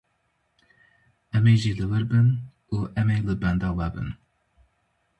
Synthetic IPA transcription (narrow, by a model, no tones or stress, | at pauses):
ɛmeʒiːlɨwɨɾbɨn | uʔɛmejlɨbɛnd̪ɑvabɨ̰n